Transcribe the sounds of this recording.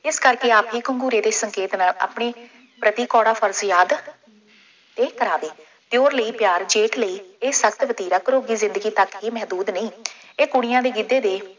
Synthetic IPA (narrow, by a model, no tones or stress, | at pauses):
ɪskəɾkeːaːpɦiːkəŋɡuːɾeːd̪eːsəŋkeːt̪naːla̰ːpɳeː | pɾət̪iːkɔːɽaːfʰəɾzjaːd̪ | t̪eːkəɾaːʋeː | t̪joːɾləiːpjaːɾd͡ʒeːʈʰləiːeːsəkt̪ʋət̪iːɾaːkəɾoːɡiːzɪ̃nd̪əɡiːt̪əkɦiːmɛɦd̪uːd̪nəĩː | eːkʊɽ̃ɪjãːd̪eːɡɪd̪eːd̪eː